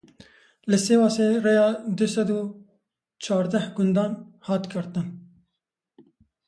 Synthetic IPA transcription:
lɪseːwɑːseɾejɑːd̪ʊsɛd̪uː | t͡ʃʰɑːɾd̪æhɡʊnd̪ɑːnhɑːt̪kʰəɾt̪ən

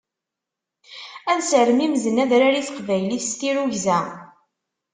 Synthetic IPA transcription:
ænsəɾəmimzənːæðɾaɾiθqvæjliθst̪iɾuʝzæ

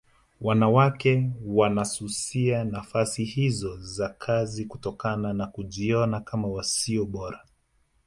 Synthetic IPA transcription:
wanawakɛwanasusianafasihizɔzakʰazikutɔkananakuʄiɔnakamawasiɔɓɔɾa

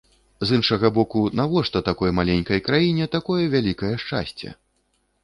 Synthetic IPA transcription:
zɨnʂɐɣɐbɔkunavɔʂt̪ɐt̪akɔjmalʲenʲkɐjkɾajinʲɛt̪akɔjɐvʲalʲikɐjɐʂt͡ʂa̰sʲt͡sʲɛ̰

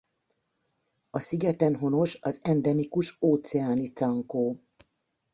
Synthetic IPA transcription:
ɒsiɡɛt̪ɛnɦo̞no̞ʃɒzɛnd̪ɛmikuʃoːt̪sɛaːnit̪sɒŋkoː

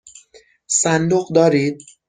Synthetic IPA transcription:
sænd̪oɢd̪ɒːɾiːd̪̚

